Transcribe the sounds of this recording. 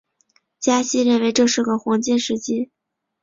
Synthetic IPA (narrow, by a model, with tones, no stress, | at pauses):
t͡ɕja˥ɕi˥ɻə˥˩nwe˧˥ɪʈ͡ʂɤ˥˧ʂɻ̩˥˩ɡə˩xwɑ˧˥ŋt͡ɕɛ˥˧nʂɻ̩˥˩t͡ɕi˥